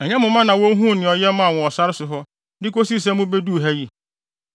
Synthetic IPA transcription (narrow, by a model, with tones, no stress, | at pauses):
ɛ˨ɲɛ̃˦mʊ̃˨mã˦nã˨wo˦ɦũ˦˨nɪ̃˨ɔ˨jɛ˦mã˦˨wɔ̃˨ɔ˨sa˦ɾɪ˦sʊ˨ɦɔ˦ | dɪ˦ko˦si˦˨s̬ɛ̃˦mʊ̃˦be˦du˦˨ɦæ˦ji˦